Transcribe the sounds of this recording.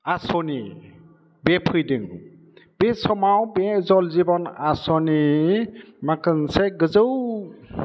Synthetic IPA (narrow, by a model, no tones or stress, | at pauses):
asɔni | bepʰɯjdɯŋ | b̥esɔmawbɛzɔlzibɔnasɔni | makɯnseɡɯzəw